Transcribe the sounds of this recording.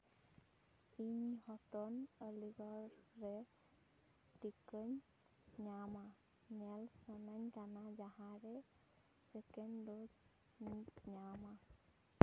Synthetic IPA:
iɲhɔt̪ɔnəliɡɔɾːe | ʈikəɲ | ɲama | nɛlsənaɲkanad͡ʒaɦãɾɛ | sekenɖos | nitɲama

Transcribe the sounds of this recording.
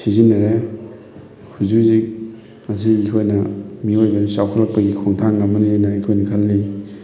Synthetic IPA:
sizinɐɾe | hʰuzuzik̚ | ɐziːkʰojnɐmiojbɐɾusawkʰalɐk̚pɐɡikʰɔŋtʰaŋɡamːɐniajnaikʰojnɐkʰalːi

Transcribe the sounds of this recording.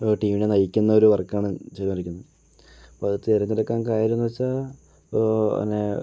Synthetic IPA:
ʈiːminenɐjikʲːunːɐo̞ɾuʋɐrkːaːɳɨt͡ɕelɐmɐɾikʲːunːɐð | ɐpoːɐðɨt̪eɾɐnːiɾɐkːaːnkaːjiɾunːuʋɐt͡ɕːa | nːe

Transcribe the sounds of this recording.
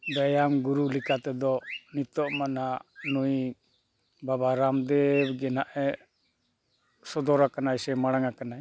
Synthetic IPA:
d̪ajamɡuɾulikat̪ɛd̪ɔnit̪ɔʔmananuj | babaɾamd̪ɛɡɛnaʔɛ | sɔd̪ɔɾakanajsɛmaɽaŋakanaj

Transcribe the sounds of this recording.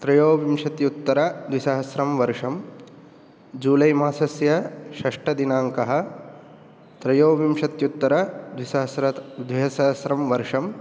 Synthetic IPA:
t̪ɾɐjoːʋimʂɐt̪jut̪ːɐɾɐd̪ʋisɐɦɐsɾɐmʋɐɾʂɐm | d͡ʒuːlɐjmaːsɐsjɐʃɐʂʈɐd̪inaːŋkɐɦɐ̆ | t̪ɾɐjoːʋimʃɐt̪jut̪ːɐɾɐd̪ʋisɐɦɐsɾɐd̪ʋɐɦɐsɐɦɐsɾɐmʋɐɾʂɐm

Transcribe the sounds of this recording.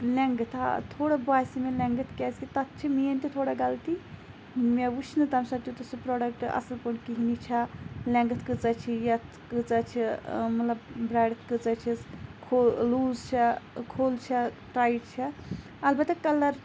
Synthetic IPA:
lʲeŋɡɨt̪ʰa̰t̪ʰoːɽɐbaːsimeleŋɡət̪ʰkeskit̪ɐt̪̚t͡ʃʰimijɐnt̪it̪ʰoːɽɐɡɐlt̪i | meut͡ʃʰnɨt̪ɐmsɐt̪jut̪usupɾɔːɖɐk̚ʈɐ̰sɐlpoɳkiɦinit͡ʃʰɐlʲẽŋɡət̪ʰkɨt͡sɐt͡ʃʰijɐt̪ʰkɨt͡sat͡ʃʰimɐt̪lɐbbɾaːɖt̪ʰkɨt͡sɐt͡ʃʰiskʰoluːzt͡ʃʰɐkʰoːlt͡ʃʰɐ | ʈɾaːjiʈt͡ʃʰi | ɐlbɐt̪ːɐkɐlɐɾ

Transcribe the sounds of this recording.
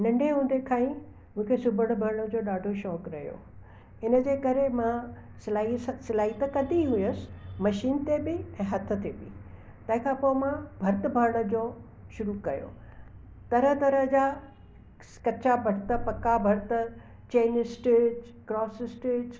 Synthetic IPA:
nɐ̃ɳɖʱeɦũːnd̪ekʰaːĩ | mũːkʰesʊbʱəɽ̃bʱɐɾɽ̃əd͡ʑoːɗaːɖʱoʃɔːkɾɐɦijo̰ | ɪnəd͡ʑeːkɐɾemã | sɪlaːissɪlaːɦit̪ɐkɐd̪ʱiɦʊjəsɪ̥mɐʃiːnt̪ebɪɛ̃ːɦɐt̪ʰə̆t̪ebɪ̰ | t̪ɐ̃ɦɪ̃kʰãpoːɪmãbʱɐɾt̪əbʱɐɾɽə̆d͡ʑoː | ʃʊɾukɐjo̰ː | t̪ɐɾəɦt̪ɐɾəɦd͡ʑaː | kɐt͡ɕabʱɐɽt̪ə̆pɐkabʱɐɾt̪ə | t͡ɕeːnɪsʈɪkɾɔːsɪsʈɪd͡ʑ

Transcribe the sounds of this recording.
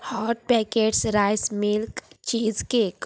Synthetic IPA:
hɔːʈ̚pɛkeːɖsɾaːɪsmɪlkt͡ʃiːzkek

